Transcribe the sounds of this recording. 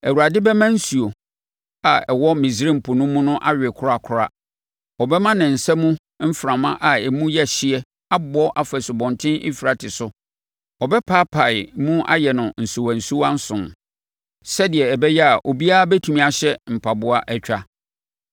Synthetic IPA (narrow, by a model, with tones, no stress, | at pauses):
æ˨wu˨ɾa˨dɪ˦bɛ˦mã˦n̩˦su˨o˨ | a˨ɛ˨wɔ˦mĩ˨s̬ɾĩ˦m̩˨pʰʊ˨nʊ̃˦mːũ˦nʊ̃˦ʔa˦ɥᶣɛ˨kʰʊ˦a˦˨kʰʊ˦ɾa̰˦ | ɔ˨bɛ˦mã˦nɪ̃˨n̩˨sɛ˦mũ˦ | m̩˦fɾã˨mã˦ʔa˨ɛ˨mũ˦jɛ˦˨ɕɪ˦ɛ˦ | a˦bɔ˦ʔa˨fɛ˨sʊ˨bɔ̃˨ntʰɪ̃˦nʔɪ̰˦fi˨ɾa˨tʰɪ˨sʊ˦ | ɔ˨bɛ˦pʰa˦pʰa˨ɪ˨mũ˦a̰˦jɛ˨nʊ̃˨n̩˨su˨wã˨n̩˨su˦wa˦n̩˦sʊ̃˨n | sɛ˦dɪ˨ɛ˨ɛ˨bɛ˦jɛ˦a˨ʔo˨bi˦a˦bæ˦tʰu˨mĩ˨a˨ɕɛ˦m̩˨pʰa˨bʊ˦a˦ʔɛ˦t͡ɕᶣa˦